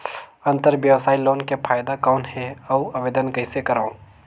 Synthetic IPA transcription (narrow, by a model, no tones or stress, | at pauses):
ɐ̃nt̪əɾʋjɐʋsaːiloːnkepʰaːjd̪akɔːnɦɛ̃ɐɐʋeːd̪ənkɐɪsekɐɾaõ